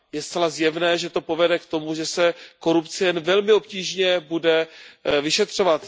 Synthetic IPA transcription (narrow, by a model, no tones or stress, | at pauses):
jɛst̪t͡sɛlazjɛvnɛːʒɛt̪o̞po̞vɛdɛkt̪o̞muʒɛsɛko̞ɾupt͡sɪjɛnvɛlmɪo̞p̚ciːʒɲɛbudɛvɪʃɛt̪r̝̥o̞vat̪